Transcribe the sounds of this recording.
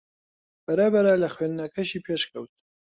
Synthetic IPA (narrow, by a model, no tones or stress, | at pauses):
b̥ɐɾɐbɐɾɐlɐxweːnd̪nɐkʰɐʃiːpʰeːʃkʰɐwt̪̚